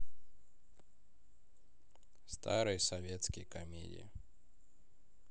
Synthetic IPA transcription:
st̪a̰ɾɨjsɐvʲet̪skʲɪjkɐmʲḛdʲɪ̰jɪ̰

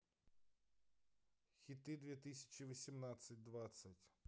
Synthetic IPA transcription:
xʲit̪ɪd̪ʋʲit̪ɪsʲɐ̥t͡ʃiʋɔsʲimnɑsʲɐt̚ʲd̪ʋɑsʲːɐtʲ

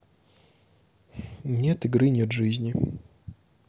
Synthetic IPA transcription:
nʲet̪ɨɡɾɨnʲet̪ʐɨzʲnʲɪ

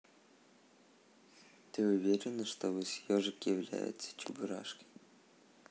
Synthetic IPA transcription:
t̪ɨʊvʲeɾʲɪnəʂt̪ovɨsʲjɔʐɨkjɪvlʲæ̰jɪ̰t̪sə̥t͡ʃʊbʊɾa̰ʂkʲɪ̥j

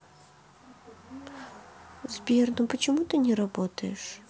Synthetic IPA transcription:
zʲbʲɛrnɨpɐt͡ɕɛmut̪ɨnʲɛɾabɔt̪ɐjɛʂ

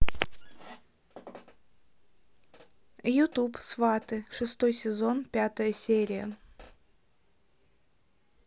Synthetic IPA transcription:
jʊt̪upsvat̪ɨʂɨst̪o̞jsʲɪzo̞npʲat̪əjəsʲeɾʲɪjə

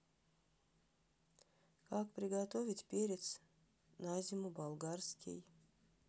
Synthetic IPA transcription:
kɑːkpɾʲɪɡat̪ovʲit̪ʲpʲeɾʲet̪s | nazʲimubalˠɡaɾsʲkʲḭj

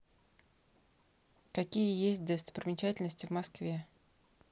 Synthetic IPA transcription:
kɐkʲijəjesʲt̚ʲd̪ɛst̪ə̥pɾʲɪmʲɪt͡ɕætʲɪlʲnəsʲtʲɪvmɐskvʲe̞

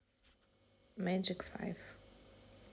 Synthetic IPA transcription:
mad͡ʒɪkfa̰ɪv

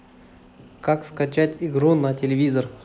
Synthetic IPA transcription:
kakskɐt͡ɕatʲɪɡɾunɐtʲɪlʲɪvʲizər

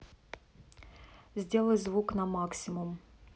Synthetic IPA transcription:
zʲdʲe̞lˠəjzvuknɐmaksʲɪmʊm

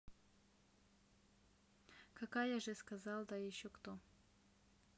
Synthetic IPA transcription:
kɐkajaʐɨskazalˠd̪ajɪɕːokt̪o

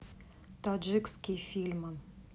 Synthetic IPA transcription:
t̪ɔd͡ʒikskʲifʲilʲmən

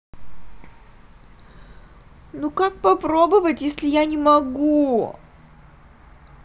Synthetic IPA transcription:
nukak̚pɐpɾobɨvətʲjesʲlʲɪjanʲɪmɐɡu

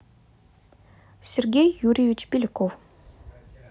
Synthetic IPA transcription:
sʲerɡʲejːuɾʲɪvʲɪt͡ɕbʲɪlʲɪkof

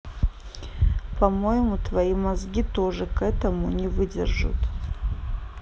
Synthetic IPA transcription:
pʰɐmo̞jɪmut̪ʰvɐjimazɡʲit̪o̞ʐɨkɛt̪ɐmunʲɪvɨdʲɪ̰rʐɨ̰t̪

